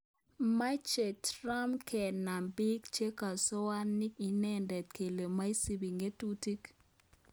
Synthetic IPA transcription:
ma˦t͡ʃe˨tɾa˦mkʰɛ˨na˨mbi˦kt͡ʃe˦ka˨sɔ˦wa˦ni˦i˨nɛ˦ndɛ˨t̚kʰe˨le˨ma˦i˦si˨bi˨ŋɡe˦tu˦ti˦k

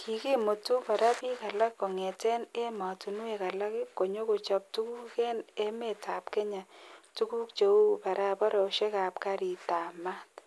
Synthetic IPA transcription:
kʰi˨ke˦mo˨tu˦pa˨ɾa˦pi˦ka˨la˦kːɔ˨ŋe˨te˦ne˦ma˨tu˨nu˦e˨ka˨la˦kɪ˦ko˨ɲo˦ko˨t͡ʃɔ˦p̚tu˦ku˦ke˦ne˦me˦˨ta˨pke˦ɲa˨tu˦ku˦k̚t͡ʃo˨u˦pa˨ɾa˦pɔ˦ɾɔ˨o˨ʃe˦ka˨p̚ka˦ɾi˨ta˨ma˦t

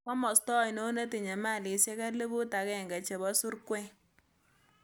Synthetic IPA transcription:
kɔ˦mɔ˨stɔ˦˨i˨no˦na˦ti˨ɲɛ˨ma˦˨lɪ˨sɛ˦ka˦le˦bʊ˦ta˨kɛ˦˨ŋɡa˨t͡ʃɛ˨bɔ˦su˦ɾkwɛ˦ŋ

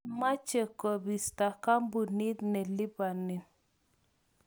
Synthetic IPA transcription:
ma˦t͡ʃe˨ko˨bi˨sta˨ka˦mbu˨ni˦t̪nɛ˨li˦ba˨ni˨n

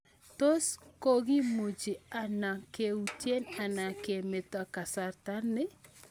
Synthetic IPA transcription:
to˦sko˦ɡi˦mo˨d͡ʒi˨a˨na˨ke˨u˨tje˦na˨na˨ke˨me˨ta˦ka˨sa˨ɾta˦nɪ˦

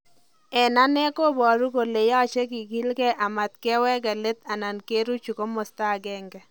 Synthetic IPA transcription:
ɛ˨na˦nɛ˦ko˦bɔ˨ɾu˦ko˨le˨ja˦˨t͡ʃe˦ki˨ki˦lkɛ˦ʔa˨ma˨t̪̚kɛ˦wɛ˦ɡa˨le˦t̪a˨na˨nke˦ɾu˦t͡ʃu˨ko˦mo˨sta˦ɡɛ˦ŋɡɛ˨

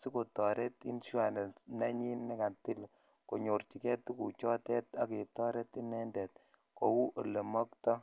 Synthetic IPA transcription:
si˦ko˨tɔ˨ɾe˦tḭ˦nʃa˨ne˨na˦ɲi˦nːe˦ka˨nti˦l | ko˨ɲo˨rt͡ʃi˨kɛ˦tu˦ku˨t͡ʃɔ˦tɛ˦ta˦ke˨tɔ˦ɾe˦ti˦nɛ˦ndɛ˨t̚ | ko˨wu˦ʔo˨le˨mɔ˦ktɔ˦

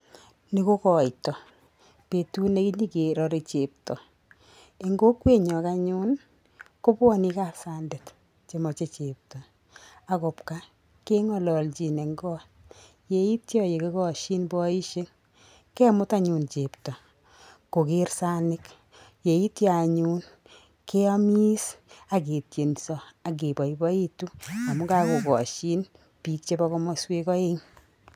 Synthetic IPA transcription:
ni˦ko˦kɔ˨jtɔ˨ | pe˨tu˦ne˨ki˦ɲi˦ke˨ɾɔ˨ɾe˨t͡ʃe˨p̚tɔ˨ | e˨ŋɡo˦kwe˦˨ɲɔ˨ka˧ɲʊ˦n | ko˦pwɔ˦ni˧ka˦˨sa˨nde˨t | t͡ʃe˨mɔ˨t͡ʃe˦t͡ʃe˨p̚tɔ˨ | a˨kʊ˨pka˦ | ke˦ŋɔ˨lɔ˨lt͡ʃi˨ne˨ŋɡɔ˦ | je˨i˦tjɔ˦je˨ke˦kɔ˨ʃi˦nbɔ˦i˦ʃe˦ŋ | kɛ˦mʊ˦ta˦ɲu˨nt͡ʃe˨ptɔ˨ | ko˨ke˦ɾsa˦nɪ˦k | je˨i˦tja˨ɲuː˦n | ke˦ɔ˦mi˦sa˨ke˨tje˨nsɔ˨a˨k̬e˨bɔ˨ibɔ˦i˦tu˦a˨mʊ˦ka˦ko˨kɔ˨ʃi˦n | pi˨k̚t͡ʃe˦bɔ˧kɔ˧mɔ˦swe˧kɔ˦e˦ŋ

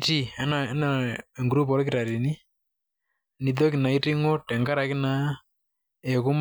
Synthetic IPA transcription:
ti˦ɛ˦na˨˦na˨e˨ŋɡɾu˦pɔ˨˦ɾk̬ɪ˦ɾa˨ɾi˨ni˦ | ni˨ð̬o˦kɪ˨na˨i˦ti˦ŋɔ˦tɛ˨ŋɡa˦ɾa˨kɪ˦na˨˦ | e˨ku˦m

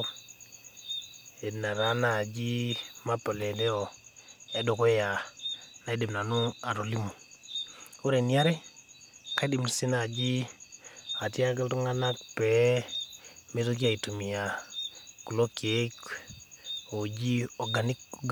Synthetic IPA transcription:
e˨na˨ɾa˨˦na˨d͡ʒi˦ma˦pɔ˨le˨de˦o˨e˦do˨ko˦ja˨na˨e˦de˨mna˨nu˦a˨ɾo˨li˦mu˨ | u˦ɾe˨ni˨a˦ɾɛ˦ | ka˦di˨m˨si˦na˨d͡ʒi˦ | a˨ti˦a˦ɡa˦ltu˦ŋa˦na˦k̚pɛ˨ | me˦ɾo˦k̬i˦a˦˨i˨tu˨mi˨ja˨ku˨lo˦ke˦k | o˨d͡ʒi˦ɔ˨ɡa˨ni˦kɡ

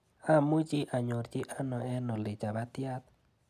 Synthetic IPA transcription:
a˦˨mũ˦d͡ʒi˦ʔa˨ɲõ˨ɾd͡ʒi˦ʔa˦nõ˨e˦nõ˨li˨d͡ʒa˨βa˦t̪ja˦t̪̚

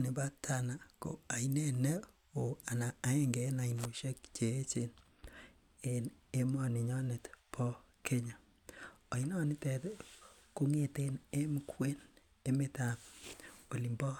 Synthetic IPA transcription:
nɪ˨ba˦tʰa˨na˨ko̰˨a˨ine˦ne˦ | o˨a˨na˨a˨e˦ŋɡe˨˦na˨i˨no˨ʃe˦kt͡ʃe˨e˦t͡ʃe˨n | en | e˦mɔ˦˨nɪ˨ɲɔ˦ne˨tpʰɔ˦ | kʰe˦ɲa˨ | a˨i˦nɔ˦nɪ˦tɛ˨t | ko˦ŋe˨te˦ne˦mu˦kʰwe˦n | e˦me˦˨ta˨mo˨li˨mbɔ˦

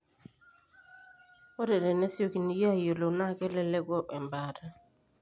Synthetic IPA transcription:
o˦dɛ˨dɛ˨nɛ˦sɪ˦o˦˨ki˨ni˨ja˦˨jo˨lo˨na˦˨kɛ˦lɛ˦lɛ˦ɡɔ˦ʔɛ˨mba˨ta˦

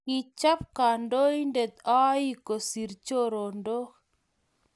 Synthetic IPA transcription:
ki˨t͡ʃa˦p̚ka˨ndo˦i˦nde˨t̪a˦i˦ko˨si˨ɾt͡ʃo˦ɾo˨ndo˦k

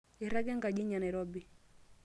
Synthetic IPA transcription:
i˨ɾa˦ɡɛ˦ŋɡa˨ɡi˦ɲa˨nɛ˨ɾɔ˦bi˨

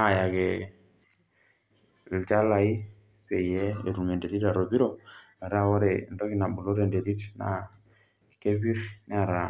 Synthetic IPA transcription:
a˦˨ja˨kɛ˨ | i˨lt͡ʃa˦la˨i˦ | pe˨ijɛ˦e˨ɾu˨me˨nde˨ɾi˦ta˨ɾo˨bi˦ɾo˨mɛ˨ɾa˦wo˦ɾɛ˨ndɔ˦ki˦na˨ɓu˨lo˦ɾe˨nde˨ɾi˦tna̰˨ | ke˦βi˦ɾnɛ˦˨ɾa˨

